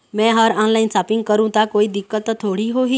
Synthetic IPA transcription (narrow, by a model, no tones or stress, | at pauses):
mɛ̃ɦəɾɔnlainsapiŋɡ̚kəɾũt̪akoiːd̪ikːət̪ːt̪ʰːoɽiːɦoɦi